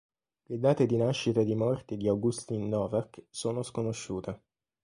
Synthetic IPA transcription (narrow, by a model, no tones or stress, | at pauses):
led̪aːt̪ed̪inaʃːit̪ad̪imɔrt̪id̪iawɡust̪inːɔːvaksoːnoskonoʃːuːt̪e